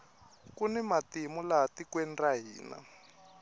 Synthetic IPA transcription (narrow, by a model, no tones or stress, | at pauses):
kunɛmatimulatikwɛndaɦiːna̰